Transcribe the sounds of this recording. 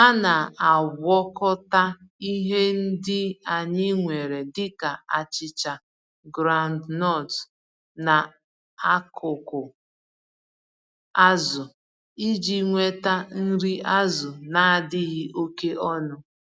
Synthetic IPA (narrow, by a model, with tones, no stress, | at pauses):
a˦na˨a˨ɡʷɔ˦kɔ˦ta˦i˦ɦe˦n̩˦dɪ˦a˨ɲɪ˦ŋʷe˨ɾe˨dɪ˦ka˨a˨t͡ʃɪ˨t͡ʃa˨ | ɡɾa˦ndnɔ˦˨t | na˨ | a˦kʰʊ˨kʊ˨ | a˦zʊ˨ | i˦d͡ʒi˦ŋʷe˦ta˦n̩˦ɾi˦a˦zʊ˨na˨a˨dɪ˦ɦɪ˦ʔo˦ke˦ʔɔ˦nʊ˦